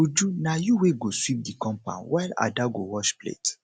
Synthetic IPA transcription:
ud͡ʒunajuweɡoswip̚dikɔ̃mpã̰nwaɪla̰daɡowɔʃplḛt

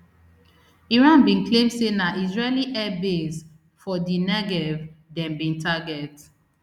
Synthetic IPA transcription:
iɹãnbĩnklẽmdsenaʔizɹeliʔɛbes | fɔdinɛɡɛvdɛ̃nbĩntʰaɡɛt

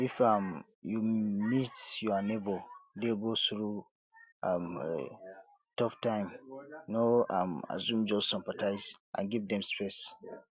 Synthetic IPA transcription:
ifam | jumitjɔnebodeɡoθɹu | am | tɔftãɪ̃mnoama̰zũmd͡ʒɔstsĩmpatʰaɪzʔã̰nɡivdɛ̃mspɛs

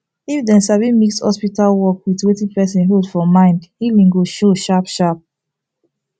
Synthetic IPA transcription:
ifdɛ̃nsavimikshɔ̰spitalwɔkwitwetĩpɛs̬ɛ̃nɦodfɔmãɪ̃ndhilĩŋɡoʃoʃapʃap̚

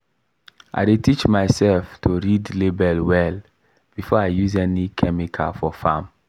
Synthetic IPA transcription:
ʔa̰detit͡ʃmaɪsɛlftʰoɹidlebɛlwɛl | b̥ifɔaɪjuzɛnikʰɛmikʰa̰fɔfã̰m

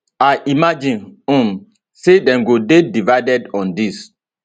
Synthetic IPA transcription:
aɪʔimad͡ʒĩnɔ̃m | sedɛ̃mɡodedivaɪdɛdɔ̃ndis

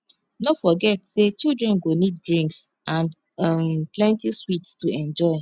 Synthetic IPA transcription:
nofɔɡɛtset͡ʃildɹɛ̃nɡonid̚dɹĩŋks | ãn | mplɛ̃ntiswitstuɛ̃nd͡ʒɔɪ

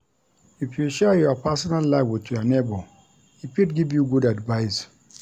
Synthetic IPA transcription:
ifjuʃɛjɔpasɔnalːaɪvwitujɔnebɔ | ipitɡivjuɡudadvaɪs

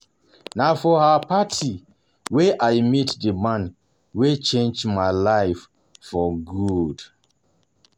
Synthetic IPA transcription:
nafɔhapatʰi | weʔajmitdəmãn | wet͡ʃẽnd͡ʒmaɪlaɪf | fɔɡud

